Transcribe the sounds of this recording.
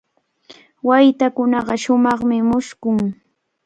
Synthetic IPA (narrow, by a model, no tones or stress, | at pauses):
wajt̪akʊnɑɢɑʃʊmɑχmɪmʊʃkʊŋ